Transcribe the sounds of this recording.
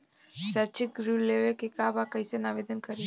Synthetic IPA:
sɐt͡ʃiɡɾuleʋekekaːbakɐjsɐnaʋed̪ɐnkɐɾi

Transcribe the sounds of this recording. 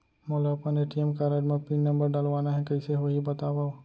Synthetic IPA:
mɔːlopɐneʈiemkaɾaɖmapinːɐ̃mbəɾɖaːlʋaːnaɦɛkɐiseʋɐɦibɐt̪aːʋao

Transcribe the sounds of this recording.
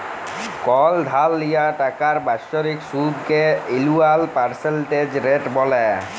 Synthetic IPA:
kɔld̪ʱalːijaʈakaɹbasɔɾiksud̪keilualpaɹselʈed͡ʑɾeʈbɔlɛ

